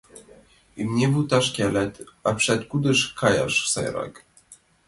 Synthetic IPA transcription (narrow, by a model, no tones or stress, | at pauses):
imɲʲɛvut̪aʂkʲɛlɛt̪apʂɛt̪kud̪ɘʂkaja̰ʂfsɛ̰jɾa̰k